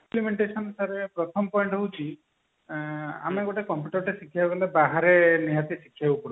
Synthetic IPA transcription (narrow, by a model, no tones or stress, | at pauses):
plimeɳʈesɔnsaɾepɾɔt̪ʰɔmɔpɔjɳʈɦowt͡ʃʰi | a̰meɡɔʈekɔmpjuʈɔɾʈesikʰjaɡɔlebaɦaɾenijat̪isikʰːjawkɔɽu